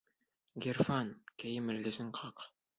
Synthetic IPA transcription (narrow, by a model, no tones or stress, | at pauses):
ɡʲerfɑnkæjɘmɘ̆lɡɘ̆zɘŋqʰɑq